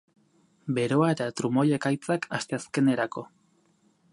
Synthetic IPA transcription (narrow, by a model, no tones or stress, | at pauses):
be̞ɾo̞ae̞t̪at̪ɾumoje̞kajt͡sakʰast̪e̞aske̞ne̞ɾako̞